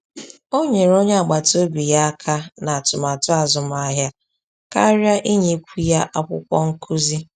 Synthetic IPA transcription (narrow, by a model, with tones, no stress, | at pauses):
o˦ɲe˨ɾo˦ɲe˦a˨ɡ͡ba˨to˦bi˨ja˦a˦kʰa˦na˨a˨tʊ˨ma˨tʊ˦a˨zʊ˨m˦a˦ɦja˦ | ka˦ɾja˦ʔi˦ɲe˦kʷu˦ja˦ʔa˦kʷʊ̰˦kʷɔ̰˦ŋ̩˦kʰu˦zi˦